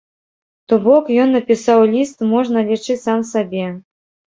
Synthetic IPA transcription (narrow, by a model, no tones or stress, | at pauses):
t̪ubɔkjɔnːɐpʲisɑwlʲist̪mɔʐnəlʲit͡ʂɨsamsabʲe